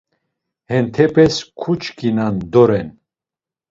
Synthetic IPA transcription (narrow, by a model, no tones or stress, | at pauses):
hɛnt̪ʰɛpʰɛskʰut͡ʃʰkinand̪ɔɾɛn